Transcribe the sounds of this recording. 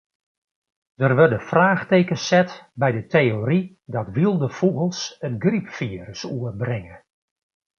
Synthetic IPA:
d̥ərʋɵrdəfraːxteːkəsɛtbɛjdətejoɾi | dɔtʋilˠdəfuɣəlˠsənɡripfiəɾəsuərbrɪŋə

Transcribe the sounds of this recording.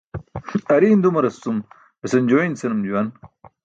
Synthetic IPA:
ɐɾiːnd̪umɐɾɐst͡s̪um | besɐnd͡ʑoinsɐnɐmd͡ʑuwɐn

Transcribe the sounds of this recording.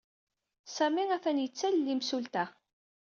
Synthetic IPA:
sæmiŋæθænjət͡sːællːimsult̪æ

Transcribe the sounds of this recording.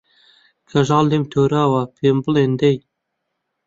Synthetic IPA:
kʰɐʒɑːld̪emt̪ʰoːɾaːwapʰembəlend̪ej

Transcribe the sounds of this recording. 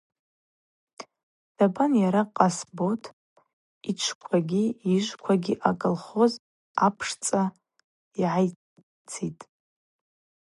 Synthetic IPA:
d̥abanjaɾaqʼasbo̞tʰʼ | it͡ʃʷʰkʷʰaɡʲiiʒʷkʷʰaɡʲiʔakʼɨlχo̞z | apʰʂt͡sʼa | iʕaj | t͡sʰitʼ

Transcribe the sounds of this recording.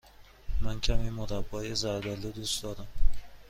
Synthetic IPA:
mæncʰæmiːmod̪abːɒːjezæɾd̪ælːod̪usd̪ɒːɾam

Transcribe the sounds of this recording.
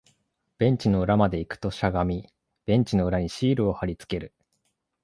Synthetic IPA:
b̥ẽ̞ɲ̟t͡ɕino̞ɯ̟ɾamad̪e̞ikɯ̟̥t̪o̞ɕaɡamʲi | b̥ẽ̞ɲ̟t͡ɕino̞ɯ̟ɾaɲ̟iɕiːɾɯ̟o̞haɾʲit͡sɨ̥ke̞ɾɯ̟

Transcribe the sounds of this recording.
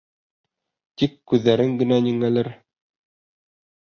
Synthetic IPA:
t̪ikːʉðːæɾɘŋɡɘ̆næniŋælɘɾ

